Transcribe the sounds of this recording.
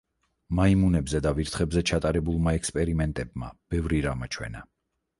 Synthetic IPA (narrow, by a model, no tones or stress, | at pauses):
maimunɛbzɛd̪aviɾt̪ʰχɛbzɛt͡ʃʰat̪ʼaɾɛbulˠmaɛkspʼɛɾimɛnt̪ʼɛb̚ma̰b̥ɛvɾiɾamat͡ʃʰwɛ̰na